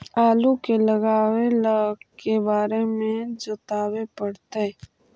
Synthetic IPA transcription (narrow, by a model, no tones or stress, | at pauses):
aːlukelɐɡaːwelkebaːɾemẽd͡ʒɐt̪aːwepɐɽt̪e